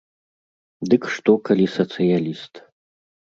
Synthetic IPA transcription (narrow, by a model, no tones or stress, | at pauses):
d̪ɨkʂt̪ɔkalʲisɐt̪sɨjalʲist̪